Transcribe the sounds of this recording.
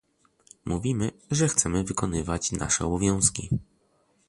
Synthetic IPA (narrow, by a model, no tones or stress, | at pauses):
muvʲimɘʐɛxt̪sɛmɘvɘkɔnɘvat͡ɕna̰ʂɛ̰ɔbɔvʲjɔ̃w̃skʲḭ